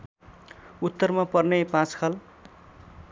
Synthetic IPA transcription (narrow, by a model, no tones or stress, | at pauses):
ut̪ːʌrmapʌrnepãt͡skʰʌl